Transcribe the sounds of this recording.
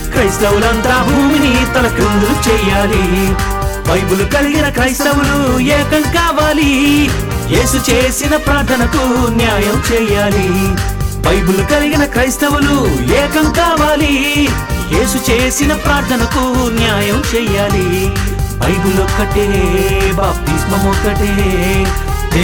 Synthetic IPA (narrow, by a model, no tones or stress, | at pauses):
kɾɐst̪ɐwulɐnd̪ɾaːbʱuuːminit̪ɐlɐkɾind̪ulut͡ʃɛːjaːli | bɐjbulukɐliɡinɐkɾɐjst̪ɐwulujɛːkɐŋkaːʋaːli | jeːsut͡ʃeːsinɐpɾaːɾt̪ʰɐnɐkunjaːjɐmt͡ʃɛːjaːli | bɐjbulukɐliɡinɐkɾɐjst̪ɐʋulujɛːkɐŋkaːʋaːli | jeːsut͡ʃeːsinɐpɾaːɾt̪ʰɐnɐkunjaːjɐmt͡ʃɛːjaːli | bɐjbulɔkːɐʈebaːp̚t̪ismɐmɔkːɐʈe